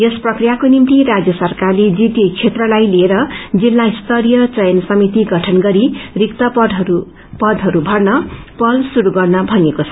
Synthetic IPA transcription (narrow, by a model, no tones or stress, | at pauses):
jesprʌkrijakonimt̪iɾad͡zjʌsʌrkarled͡zit̪jʌkt͡ʃʰet̪rʌlajlieɾʌd͡zilːaist̪ʌɾijʌt͡sʌjʌnsʌmit̪iɡʱʌʈʰʌnɡʌɾirikt̪ʌpʌd̪ɦu | pʌd̪ʱɦʌɾubʱʌrnʌpʌlsuɾuɡʌrnʌbʱʌnekot͡sʰʌ̥